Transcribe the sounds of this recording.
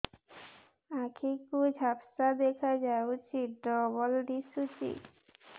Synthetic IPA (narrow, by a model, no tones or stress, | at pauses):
akʰikud͡ʑʱapsad̪ɛkʰad͡ʑaut͡ɕʰiɖɔbɔlɖ̪isut͡ɕḭ